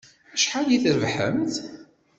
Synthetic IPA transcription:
əʃħaliθəɾvħə̰mθ

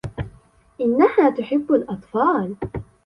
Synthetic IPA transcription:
ʔɪnːahaːt̪ʊħɪbːalʔɑt̪ˤfɑːl

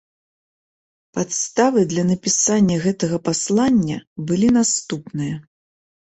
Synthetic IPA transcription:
pat̪st̪avɨd̪lʲɐnɐpʲisanʲːɐɣɛt̪ɐɣɐpaslˠanʲːɐbɨlʲinast̪upnɨjɐ

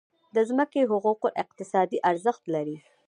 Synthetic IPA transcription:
d̪əzməkeɦʊquqoʔɪq̚t̪ɪsɑd̪iʔaɾzəxt̪laɾi

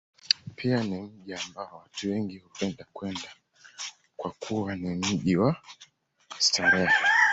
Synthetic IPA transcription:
pʰianimm̩ʄiambaɔwatuwɛŋɡihupɛndakwɛnda | kwakʰuwanim̩ʄiwa | staɾɛa

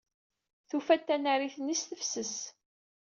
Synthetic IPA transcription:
θufæt̪ːænæɾiθənːisθəfsəs

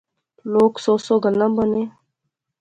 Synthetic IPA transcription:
loːksoːsoːɡəlːãbəneː

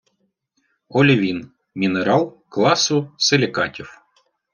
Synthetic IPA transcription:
ɔlʲiʋʲin | mʲineɾɑlˠklˠɑsʊselʲɪkɑtʲiw

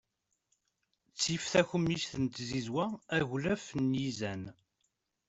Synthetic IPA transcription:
t͡sːifθæçəmisθənt̪zizwææʝlæfnjizæn

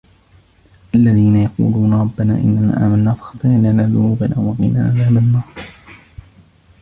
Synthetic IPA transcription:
ʔalːaðiːnajɑqṵːluːnɑɾˤɑbːanaːʔɪ̰nːana̰ːʔa̰ːmanːaːfɑ̥xɑt̪ˤɨʕlanaːðʊnuːbanʔa̰wwɑɣḭːna̰ːʕaðaːbanːɑːɾˤ

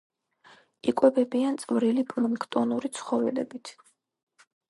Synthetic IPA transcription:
ikʼwɛbɛbiant̪sʼvɾilipʰʼluŋkʰt̪ʼɔnuɾit̪sʰχɔvɛlɛ̰bit̪ʰ

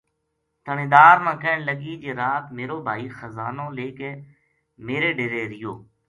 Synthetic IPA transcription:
t̪ʰəneːd̪aːɾmãːkɛ̃ːɳləɡiːd͡ʒeːɾaːt̪meːɾoːbʱaːiːxəzaːnõːleːkeː | meːɾeːɖeɾeːɾɪjoː

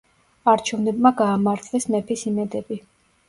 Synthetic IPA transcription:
aɾt͡ʃʰɛvnɛbmaɡaːmaɾt̪ʰlɛsmɛpʰisimɛd̪ɛbi

